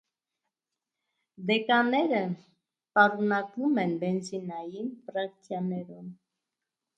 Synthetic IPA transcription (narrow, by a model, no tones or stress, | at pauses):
d̪ɛkɑnɛɾə | pɑɾunɑkumɛnbɛnzinɑjinfɾɑkt̪ʰjɑnɛɾum